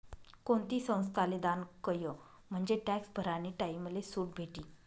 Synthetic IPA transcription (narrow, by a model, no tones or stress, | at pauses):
koɳt̪iːsə̃w̃st̪ʰaled̪ankəjə | m̤əɳd͡ʑeʈæksbʱəɾaniːʈaiməd̪esuːʈ̚bʱeʈiː